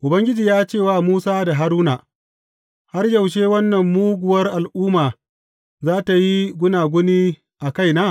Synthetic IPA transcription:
ʔʊ˨bɐ˦ŋɡʲɪ˦d͡ʒiː˨jaː˦t͡ʃeː˦˨waː˦muː˦saː˦da˨ɦa˨˦ɾuː˦na˨ | ha˦rjɐ˨wʃ̬eː˦wɐ˦nːɐ˨mːuː˦ɡʷʊ˨wɐ˦rʔa˨lʔuː˦maː˨ | zaː˦ta˨ji˦ɡʷʊ˦naː˨ɡʷʊ˦niː˦ | ʔa˨ka˦jnaː˦

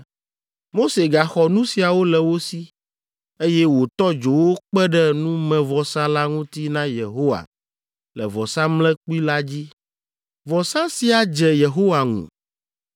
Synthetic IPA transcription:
mo˦se˨ɡa˨xɔ˨nũ˦si˨a˨wo˦lɛ˨wo˦si˦ | e˦jɛ˦wo˨t̪ɔ˦d͡ʒo˨wo˦k͡pɛ˦ɖɛ˦nũ˦mɛ̃˨vɔ˨sã˦la˦ŋũ˦t̪i˦nã˦je˨ɦo˦wa̰˨ | lɛ̰˨vɔ˨sã˦mlɛ̃˦k͡pi˦la˦d͡ʑi˦ | vɔ˨sã˦si˨a˨d͡ʒɛ˨je˨ɦo˦wa˨ŋṵ̃˨

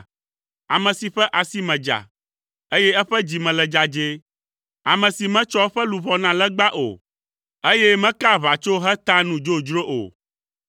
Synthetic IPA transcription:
a̰˨mɛ̃˨si˨ɸɛ˦ʔa˨si˦mɛ̃˨d͡ʒa̰˨ | e˦jɛ˦ɛ˦ɸɛ˦d͡ʑi˨mɛ̃˨lɛ˨d͡ʒa˨d͡ʒe˦ | a˨mɛ̃˨si˨mɛ̃˦t͡ʃɔ˦ɸɛ˦lu˨βɔ˦nã˦lɛ˦ɡ͡ba˦ʔo̰˨ | e˦jɛ˦mɛ̃˦ka˦βa˨t͡ʃo˦ɦɛ˦t̪a˦nũ˨d͡ʒo˦d͡ʒɾo˦ʔo̰˨

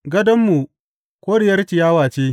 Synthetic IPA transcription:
ɡɐ˦dɐ˦mːu˨ | kʷoː˦ɽɪ˨jɐ˦rt͡ʃɪ˨jaː˦waː˨t͡ʃeː˦

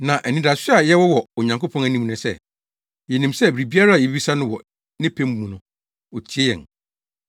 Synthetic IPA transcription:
nã˨ʔæ˨nĩ˦da˨sɪ˦a˨jɛ˦wɔ˦wɔ˨o˨ɲã˨ŋko˦pʰɔ̃˦næ˨nĩ˦m˨nɪ̃˨sɛ̰˦ | jɛ˨nĩ˨msɛ˦˨bɾi˨bi˦a˦ɾa˦˨jɛ˨bi˦i˦sa˦nʊ̃˦wɔ˨ | nɪ̃˦pʰæ̃˦m˦˨mũ˨nʊ̃˨ | ɔ˨tʰi˨e˦jɛ̰̃˨n

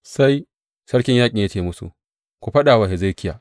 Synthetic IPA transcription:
sa˦j | sɐ˦ɽkʲɪ˦ɲjaː˦kʲʼi˨jaː˦t͡ʃeː˨mʊ˦sṵ˨ | kʷu˨ɸɐ˦ɗaː˨waː˨he˨za˦˨˦kʲɪ˦ja˨

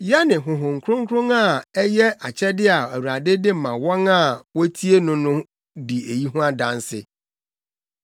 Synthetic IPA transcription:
jɛ˦nɪ̃˨ɦʊ̃˨ɦʊ̃˨ŋ̩˨kʰɾʊ̃˦ŋkʰɾʊ̃˦ŋa˦˨ɛ˦jɛ˦a˨t͡ɕʰɛ˦dɪ˦a˨æ˨wu˨ɾa˨dɪ˦dɪ˦˨mã˨wɔ̃˦ŋa˦˨wɔ˦tʰi˦e˦nʊ̃˦nʊ̃˦ | di˨e˨ji˦ɦũ˦a˦dã˦n˦sɪ˦

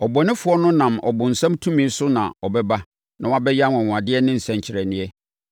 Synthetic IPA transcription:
ɔ˨bɔ˨nɪ̃˦fʊ˨˦ɔ˦nʊ̃˦nã˨mɔ̰˨bʊ̃˨n̩˨sã˦mtʰũ˦mĩ˦n̩˦sʊ˦nã̰˨ɔ˨bɛ˦ba˦ | nã˨wa˦bɛ˦ja˦n˨ɔ̃˨wʊ̃˨a˨dɪ˦ɛ˦nɪ̃˦n̩˨sɛ̃˨ɲ˨t͡ɕʰɪ˨ɾɛ˨nɪ̃˦ɛ˦

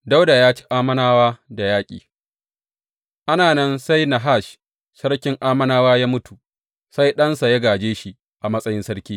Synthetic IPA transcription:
da˦wda˨jaː˦t͡ʃi̥˦ʔaː˦mɐ˦naː˦waː˦da˨jaː˦kʲʼḭː˨ | ʔa˦naː˨nɐ˦nsa˦jna˨ɦa˦˨ʃ | sɐ˦ɽkʲɪ˦ŋʔaː˦mɐ˦naː˦waː˦jaː˦mʊ˦tu˨ | sa˦jɗɐ˦nsa˨jɐ˦ɡaː˨d͡ʒeː˦ʃi˨ | ʔa˨mɐ˦sʼɐ˦jɪ˦nsɐ˦ɽkʲiː˦

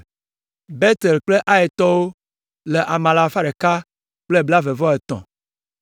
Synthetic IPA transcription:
be˦t̪e˨lk͡ple˦ʔa˦ɛ˨t̪ɔ˦wo˦ | le˨ʔa˨mã˨la˨fa˦ɖe˨ka˦ | k͡ple˦bla˦ve˨vɔ˦e˨t̪ɔ̰̃˨

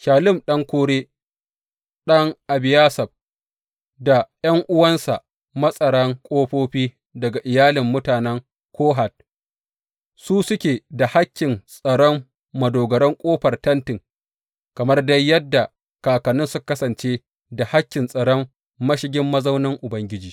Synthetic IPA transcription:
ʃaː˨lɪ˦˨mɗɐ˦ŋkʷoː˦ɽeː˦ | ɗɐ˦ŋʔa˨bɪ˨jaː˦sɐ˨b̚ | da˨jɐ˦ŋʔʊ˦wɐ˦nsa˨ | mɐ˦sʼɐ˨ɽɐ˦ŋkʷʼoː˦ɸoː˦ɸiː˦ | dɐ˨ɡa˨ʔɪ˨jaː˦lɪ˨mːʊ˦taː˨nɛ˦ŋ | kʰʷoː˦ɦa˨t̚ | suː˦sʊ˦kʲeː˨da˨ha˦kʲːɪ˨nsʼɐ˨ɽɔ˦mː | ɐ˨doː˨ɡɐ˨ɾɔ˦ŋkʷʼoː˦ɸɐ˨rtɐ˦ntɪ˨ŋ | kɐ˨mɐ˦rdɐ˦jjːɐ˦dːa˨ | kaː˨kɐ˨nʊ˦nsʊ˦kɐ˦sɐ˨nt͡ʃeː˦ | da˨ha˦kʲːɪ˨nsʼɐ˨ɽɔ˦mː | ɐ˦ʃɪ˦ɡʲɪ˦mːɐ˦zɐ˦wnɪ˦ŋʔʊ˨bɐ˦ŋɡʲɪ˦d͡ʒiː˨

